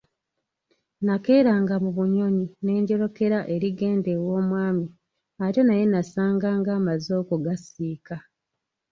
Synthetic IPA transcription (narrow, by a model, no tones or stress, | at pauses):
nake̞ːɾaːŋɡamuβuɲo̞ɲine̞ːɲɟo̞ɾo̞ke̞ɾaʔe̞ɾiɡe̞ːnde̞wo̞ːmwaːmi | ato̞naje̞nasaːŋɡaːŋɡaːmazo̞ːkoɡasiːka